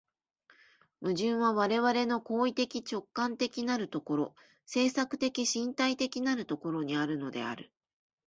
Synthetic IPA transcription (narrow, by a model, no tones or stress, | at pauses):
mɯ̟ʑɨ̃ɰ̃βaβaɾe̞βaɾe̞no̞ko̞ːit̪e̞kʲit͡ɕo̞kːãnt̪e̞kʲinaɾɯ̟t̪o̞ko̞ɾo̞ | se̞ːsakɯ̟̥t̪e̞kʲiɕĩnt̪ait̪e̞kʲinaɾɯ̟t̪o̞ko̞ɾo̞ɲ̟iaɾɯ̟no̞d̪e̞̰a̰ɾɯ̟